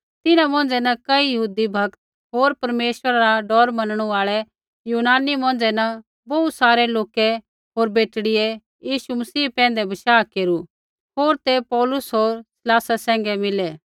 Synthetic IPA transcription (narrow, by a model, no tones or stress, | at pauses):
t̪ɪnãmɔ̃ːnd͡zɛnɐkɐijɐɦuːd̪ibʱɐkt̪̚ | ɦoːɾpɐɾmeːʃwəɾaɾaɖɔːɾmɐnəɽ̃uaːɭɛ | juːnaːnimɔ̃ːnd͡ʒɛnɐ | bɔut̪saːɾɛloːkɛ | ɦoːɾbeːʈɽɪjɛ | jiːʃumɐsiːpɛ̃ːnd̪ɛbɐʃaːkeːɾu | ɦoːɾt̪epɔːlʊsɦoːɾsɪlaːsasɛ̃ːŋɡɛmɪlɛː